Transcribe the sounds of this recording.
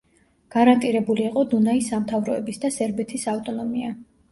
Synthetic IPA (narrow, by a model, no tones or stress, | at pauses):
ɡ̥aɾant̪ʼiɾɛbuliːqʼɔd̪unaisamt̪ʰavɾɔɛbisd̪asɛɾbɛt̪ʰisaft̪ʼɔnɔmia